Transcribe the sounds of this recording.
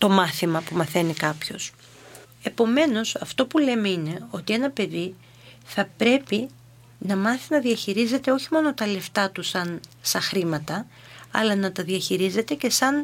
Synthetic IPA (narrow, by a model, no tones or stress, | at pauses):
t̪o̞mɐθimɐpumɐθe̞nikɐpço̞s | e̞po̞me̞no̞sɐft̪o̞pule̞meine̞o̞t̪ie̞nɐpe̞ði | θɐpɾe̞pi | nɐmɐθinɐðiɐçiɾize̞t̪e̞o̞çimo̞no̞t̪ɐle̞ft̪ɐt̪usɐnsɐxɾimɐt̪ɐ | ɐ̰lɐnɐt̪ɐðiɐçiɾize̞t̪e̞ce̞sɐn